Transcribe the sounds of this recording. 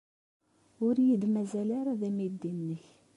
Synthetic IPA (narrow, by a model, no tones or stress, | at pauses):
ʊɾjəd̪mæzælaɾaðæmid̪ːinːəç